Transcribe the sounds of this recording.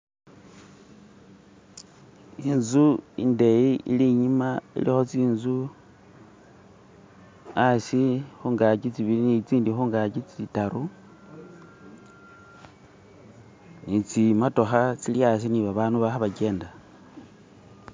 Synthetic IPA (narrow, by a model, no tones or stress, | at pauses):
inzuḭnde̞iḭliɲimaḭlixo̞t͡siːnzu | asixuːŋɡat͡ʃit͡siβilinit͡siːndixuŋɡat͡ʃit͡sitaɾu | nit͡simato̞xat͡silias̬iniβaβaːnuβaxaβake̞ːnda